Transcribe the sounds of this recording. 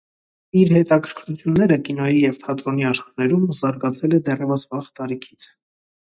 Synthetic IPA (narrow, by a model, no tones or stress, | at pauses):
iɾhɛt̪ɑkʰəɾkʰɾut͡sʰjunːɛɾəkin̪ɔjijɛvt̪ʰɑt̪ɾɔniɑʃχɑnɛɾumzɑɾɡɑt͡sʰɛlɛd̪ɛrɛvəsvɑχt̪ɑɾikʰi̥t͡sʰ